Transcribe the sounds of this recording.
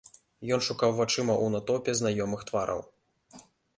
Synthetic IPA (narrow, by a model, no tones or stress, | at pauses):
jɔnʂukawvat͡ʂɨmɐʔunat̪ɔpʲɛznajɔmɨxt̪vaɾʔɐ̰w